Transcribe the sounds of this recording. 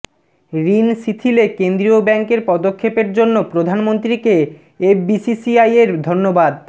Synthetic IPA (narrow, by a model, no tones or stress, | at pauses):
ɾinsit̪ʰilekend̪ɾiobɛŋkeɾpɔd̪okʰːepeɾd͡ʑonːopɾod̪ʱanmont̪ɾike | ebisisiajeɾd̪ʱonːobad̪